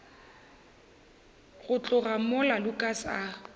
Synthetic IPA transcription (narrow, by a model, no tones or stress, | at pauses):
ɣʊt͡ɬʼʊɣamʊlalʊkʼasa